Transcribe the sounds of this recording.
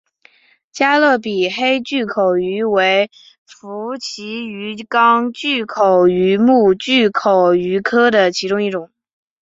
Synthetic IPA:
t͡ɕja˥lɤ˥˩pi˨˩xe˥ɪt͡ɕy˥˩kʰo˨˩ʊy˧˥we˧˥ɪ | fu˧˥t͡ɕʰi˧˥y˧˥kɑ˥ŋt͡ɕy˥˩kʰo˨˩ʊy˧˥mu˥˧t͡ɕy˥˩kʰo˨˩ʊy˧˥kʰɤ˥d̪ə˨t͡ɕʰi˧˥ʈ͡ʂʊ˥ŋi˥˩ʈ͡ʂʊ˨˩˦ŋ

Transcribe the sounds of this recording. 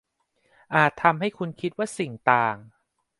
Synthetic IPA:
ʔaː˨˩t̪ʰːa˧mɦa˥˩jkʰu˧nkʰi˦˥t̪̚waː˥˩si˨˩ŋt̪aː˨˩ŋ

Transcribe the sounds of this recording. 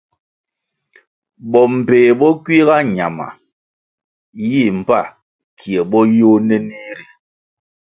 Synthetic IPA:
bɔ˨m̩˨peː˨bɔ˦kwi˦ɣa˦ɲa˨ma̰˨ | ji˦˨m̩˨pa˦˨ | kʰi˨e˨ɓɔ˦jo˦nɛ˦ni˦ɾi˨

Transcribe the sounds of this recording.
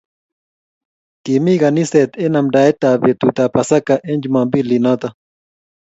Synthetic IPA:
ki˨mi˦ɣa˨ni˦se˨t̪e˦na˨mda˨e˦t̪a˨βe˨t̪ut̪a˨pa˨sa˦kaʔe˦nd͡ʒuma˨mbi˦li˨no˦t̪a

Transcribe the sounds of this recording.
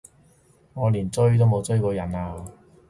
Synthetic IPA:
ŋɔː˨˧liː˨˩nt͡sɵ˥ɥt̪̬o˥wmo˨˧wt͡sɵ˥ɥkɔː˧jɐ˨˩naː˧

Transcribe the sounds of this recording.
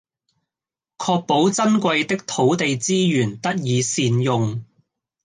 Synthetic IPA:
kʰɔː˧k̚po˨˥wt͡sɐ˥nkʷɐ˧jt̪ɪ˥k̚t̪ʰo˨˥wt̪e˨jt͡siː˥jyː˨˩nt̪ɐ˥t̚jiː˨˧siː˧njʊ˨ŋ

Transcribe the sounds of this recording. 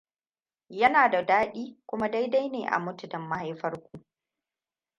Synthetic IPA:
jɐ˦naː˨da˨daː˦ɗiː˦kʷʊ˦ma˦da˦jda˦jneː˨ʔa̰˨mʊ˦tʊ˨dɐ˨mːa˦ha˦jɸɐ˦rkʷu˨ʔ

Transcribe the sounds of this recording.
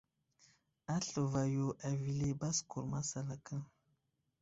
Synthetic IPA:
a˦ɬə˨va˨jo˨ʔa˨vi˨le˦ba˦sku˨ɾma˦sa˨la˨kə˦ŋ

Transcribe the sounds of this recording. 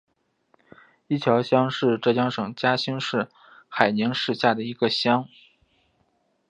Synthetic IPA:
i˥˩t͡ɕʰjɑ˧˥ʊɕjɑ˥ŋʂɻ̩˥˧ʈ͡ʂɤ˥˩t͡ɕjɑ˥ŋʂɤ˨˩ŋt͡ɕja˥ɕi˥ŋʂɻ̩˥˩ | xa˨˩ɪni˧˥ŋʂɻ̩˥˧ɕja˥˩d̪ə˩i˧˥ɡə˧ɕjɑ˥ŋ

